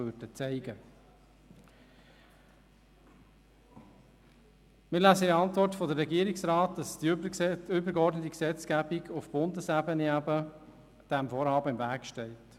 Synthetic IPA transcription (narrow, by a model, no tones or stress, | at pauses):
ødət͡sɛɪɡə | mɪːɾlæːsəiɑntvɔrtfɔdəɾːɛɡiːəɾɪksɾɑːt̚d̥ɑsd̥ | ʏbəɾɡeɔrdnətiksɛt͡skæbɪɡʊfb̥ʊndəsæbəniæbə | d̥ɛmfoːɾhɑːbəɪmvæːkʃtɛɪt